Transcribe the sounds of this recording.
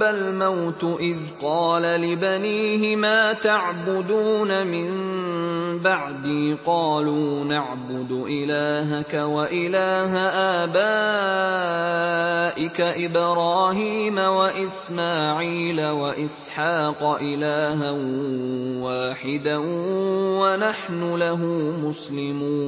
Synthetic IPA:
almawt̪ʔɪðqɑːlalɪbaniːhɪmaːt̪aʕbʊd̪uːnamɪn | baʕd̪iːqɑːluːnaʕbʊd̪ʊʔɪlaːɦakawaʔɪlaːɦaʔaːbaː | ʔɪkaʔɪbɾˤɑːɦiːmawaʔɪsmaːʕiːlawaʔɪsħɑːqɑʔɪlaːɦan | waːħɪd̪a | wanaħnʊlaɦuːmʊslɪmuːn

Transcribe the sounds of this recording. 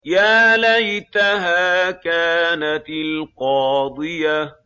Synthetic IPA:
jaːlajt̪aɦaːkaːnat̪ɪlqɑːd̪ˤɨja

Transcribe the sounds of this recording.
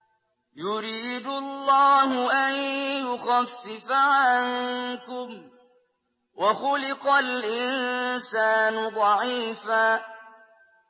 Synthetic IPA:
jʊɾiːd̪ʊlːɑːɦʊʔanjʊxafːɪfaʕankʊm | waxʊlɪqɑlʔɪnsaːnʊd̪ˤɑʕiːfaː

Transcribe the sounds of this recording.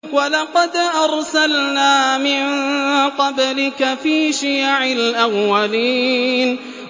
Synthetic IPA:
walɑqɑd̪ʔɑɾˤsalnaːmɪnqɑblɪkafiːʃɪjaʕɪlʔawːaliːn

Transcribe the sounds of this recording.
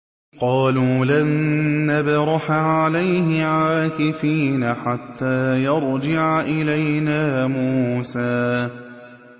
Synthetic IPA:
qɑːluːlanːabɾˤɑħaʕalajɦɪʕaaːkɪfiːnaħat̪ːaːjɑɾˤd͡ʒɪʕaʔɪlajnaːmuːsaː

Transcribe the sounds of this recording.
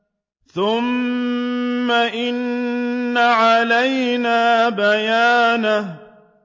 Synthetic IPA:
θʊm | aʔɪnː | aʕalajnaːbajaːna

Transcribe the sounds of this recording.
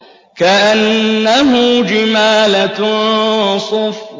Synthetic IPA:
kaʔanːaɦʊd͡ʒɪmaːlat̪ | sˤɑf

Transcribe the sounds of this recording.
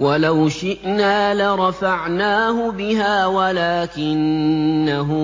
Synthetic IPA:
walawʃɪʔnaːlaɾˤɑfaʕnaːɦʊbɪɦaːwalaːkɪnːaɦʊ

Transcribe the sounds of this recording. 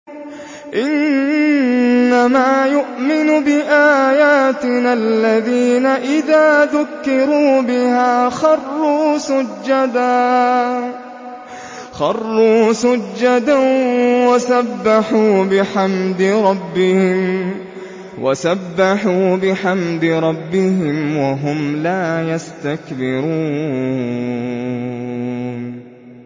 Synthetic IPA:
ʔɪn | amaːjʊʔmɪnʊbɪʔaːjaːt̪ɪnalːaðiːnaʔɪðaːðʊkːɪɾuːbɪhaːxɑrˤːuːsad͡ʒːad̪a | xɑrˤːuːsad͡ʒːad̪awasabːaħuːbɪħamd̪ɪɾˤɑbːɪhɪm | wʔa̰sabːaħuːbɪħamd̪ɪɾˤɑbːɪɦɪmwaɦʊmlaːjast̪akbɪɾuː | n

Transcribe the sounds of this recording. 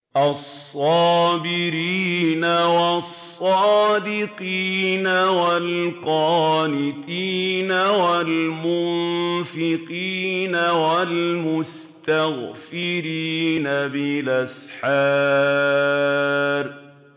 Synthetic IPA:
ʔɑsˤːɑːbɪɾiːnawɑsˤːɑːd̪ɪqiːnawalqɑːlɪt̪iːnawalmʊnfɪqiːnawalmʊs | t̪aɣfɪɾiːnabɪlʔasħaː | ɾ

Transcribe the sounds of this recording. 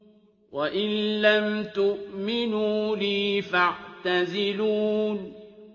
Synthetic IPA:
waʔɪnːamt̪ʊʔmɪnuːliːfaʕt̪azɪluːn

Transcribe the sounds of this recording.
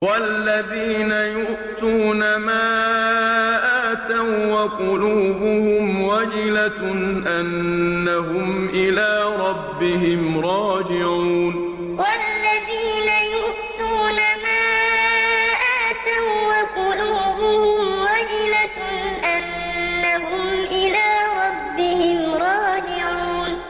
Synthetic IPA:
walːaðiːnajʊʔʔt̪uːnamaː | ʔaːt̪awwaqʊluːbʊhʊmwad͡ʒɪlaʔanːaɦʊmʔɪlaːɾˤɑbːɪɦɪmɾˤɑːd͡ʒɪʕuːn | walːaðiːnajʊʔʔt̪uːnamaː | ʔaːt̪awwaqʊluːbʊhʊmwad͡ʒɪla | ʔanː | aɦʊmʔɪlaːɾˤɑbːɪhɪmɾˤɑːd͡ʒɪʕuːn

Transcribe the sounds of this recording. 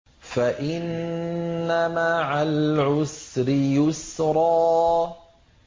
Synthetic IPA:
faʔɪnː | amaʕalʕʊsɾɪjʊsɾˤɑː

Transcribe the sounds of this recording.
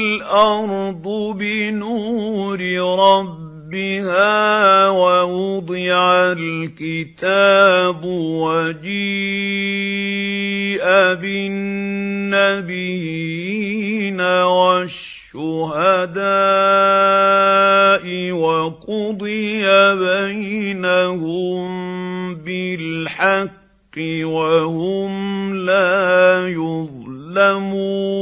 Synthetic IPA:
lʔɑɾˤd̪ˤʊbɪnuːɾɪɾˤɑbːɪhaːwaʔʊd̪ˤɪʕalkɪt̪aːbwad͡ʒiː | ʔabɪnːabɪjinawaʃːʊɦad̪aː | ʔɪwaqʊd̪ˤɨjabajnahʊm | bɪlħɑqː | ɨwahʊmlaːjʊðˤlamuː

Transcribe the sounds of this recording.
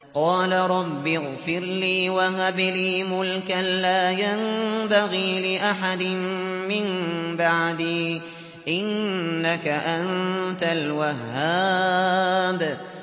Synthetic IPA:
qɑːlaɾˤɑbːɪɣfɪɾliːwaɦabliːmʊlkaːaːjambaɣiːlɪʔaħad̪ɪmmɪmbaʕd̪iː | ʔɪnːakaʔannt̪alwaɦːaː | b

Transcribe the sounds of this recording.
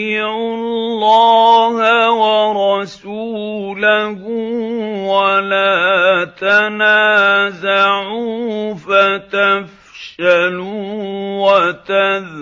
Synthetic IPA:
iʕʊllːɑːhawɑɾˤɑsuːlahʊwalaːt̪anaːzaʕuːfat̪af | ʃaluwat̪að

